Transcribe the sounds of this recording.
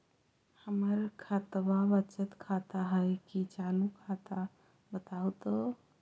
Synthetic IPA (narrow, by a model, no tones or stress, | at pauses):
həməɾkʰat̪babət͡ʃət̪kʰat̪aɦəjkit͡ʃanukʰat̪a | bət̪awt̪o